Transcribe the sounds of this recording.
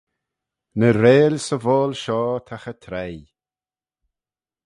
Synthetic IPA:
nəɾeːlʲsəvoːlʃɔːt̪ʰaxət̪ʰɾɛj

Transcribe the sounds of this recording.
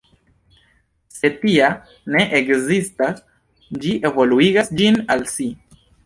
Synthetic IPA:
se̞tia | ne̞ʔekzistas | d͡ʒiʔevo̞luiɡasd͡ʒinalsi

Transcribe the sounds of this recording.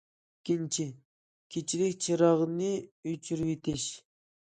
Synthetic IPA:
ikʲːint͡ʃʰɪ | kʲʰet͡ʃʰilɪkʲt͡ʃʰiɾɑʁnɪyt͡ʃʰyɾwet̪ɪʃ

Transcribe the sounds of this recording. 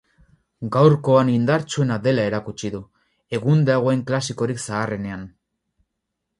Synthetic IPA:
ɡawɾko̞anind̪aɾt͡sue̞nad̪e̞lae̞ɾakut͡ʃiðu | e̞ɣund̪aɣ̞oeŋklasiko̞ɾiksaːre̞ne̞an

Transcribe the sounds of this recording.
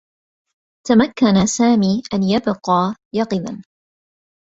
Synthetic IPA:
t̪amakːanasaːmiːʔanjabqɑːjɑqɨða̰n

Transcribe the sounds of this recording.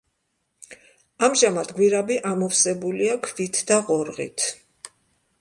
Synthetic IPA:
amʒamad̪ɡwiɾabiʔamɔfsɛbuliakʰvit̪ʰd̪aʁɔɾʁḭt̪ʰ

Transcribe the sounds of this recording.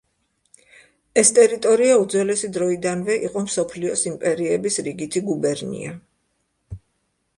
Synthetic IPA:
ɛst̪ʼɛɾit̪ʼɔɾiaud̪zwɛlɛsid̪ɾɔid̪anvɛʔiqʼɔmsɔpʰliɔsimpʼɛɾiɛbisɾiɡit̪ʰiɡubɛɾnḭa

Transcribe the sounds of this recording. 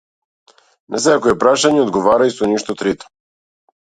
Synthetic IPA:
nɛsɛakɔɛpɾaʃaɲɛod̪ɡovaɾaisoniʃt̪ɔt̪ɾit̪o̥

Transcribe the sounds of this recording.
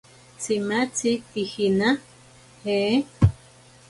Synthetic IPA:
t͡simat͡sitixina | he

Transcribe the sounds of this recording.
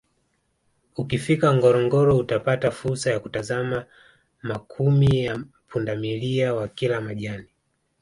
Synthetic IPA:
ukifikaŋɡɔɾɔŋɡɔɾɔutapatafuɾsajakutazama | makʰumija | pʰundamiliawakilamaʄani

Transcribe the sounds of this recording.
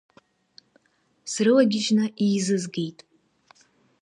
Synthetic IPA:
srɨlaɡʲɪʒnaʔiːzɨzɡejtʼ

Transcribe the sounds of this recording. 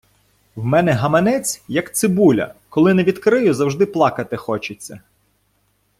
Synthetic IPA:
wmɛnɛɦɐmɐnɛt͡sʲjɐkt̪sɪbulʲɐ̰kɔlˠɪneʋʲid̪kɾɪjʊzɐwʒd̪ɪplˠɑkɐt̪ɪxɔt͡ʃɪt͡sʲːɐ

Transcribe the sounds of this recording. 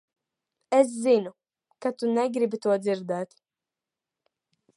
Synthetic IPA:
es̬zinu | kat̪unɛɡɾibit̪uɔd̪ziɾd̪ɛːt̪

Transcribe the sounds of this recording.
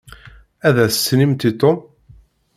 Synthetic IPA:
æðæθsnimt̪it̪ˤom

